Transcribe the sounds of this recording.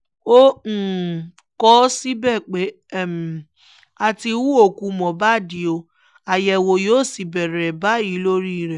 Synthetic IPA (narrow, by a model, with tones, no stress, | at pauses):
õ˦˨ | kɔ˦si˦bɛ˦˨k͡pe˨˦˨ | m˨ | a˧ti˧wu˦o˦˨ku˧mɔ̃˨ba˦˨di˨˦o˧ | a˨jɛ˧wo˧joː˦˨si˨bɛ˨ɾɛ˨ba˦ji˨˦lo˦ɾi˦i˨ɾɛ˨